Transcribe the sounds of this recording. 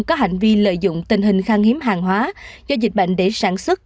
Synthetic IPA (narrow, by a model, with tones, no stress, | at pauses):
kɔ˨˦ɦa˨˩jŋ̟vi˧lə̰ː˧˨jzʊ̰˧˨ŋ͡mt̪ï˨˩ŋ̟ɦï˨˩ŋ̟xaː˧ŋhi˨˦əmɦaː˨˩ŋɦwaː˨˦zɔ˧zi˨˩k̟̚ɓə̰˧˨jŋ̟ɗe˧˩saː˧˩nswə˦˥t̚